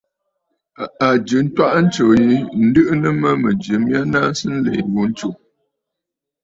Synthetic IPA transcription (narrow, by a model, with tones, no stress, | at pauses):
a˨d͡ʒɨ˨n̩˦twa˦ʔn̩˦t͡ʃo˨ji˦n̩˦dɨ˦ʔnə˦mə˦mə˨d͡ʒɨ˨mja˦na˦n˦sɨ˦n̩˦le˨wu˦n̩˦t͡ʃu˨